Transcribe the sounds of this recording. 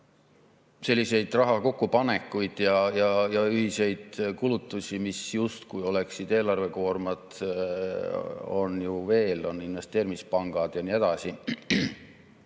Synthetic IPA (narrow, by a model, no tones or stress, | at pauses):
se̞lːise̞jd̪̥rɑɦɑko̞kːupɑne̞kːˑujd̪̥jɑjɑjɑyɦhise̞jd̪̥kulut̪ːˑusʲimisjust̪kujo̞le̞ksid̪̥e̞ːlɑrve̞ko̞ːrmɑd̪̥ | o̞̰njuve̞ːlo̞nːinve̞st̪e̞ːɾimispɑŋɡ̥ɑd̪̥jɑniːe̞d̪̥ɑsi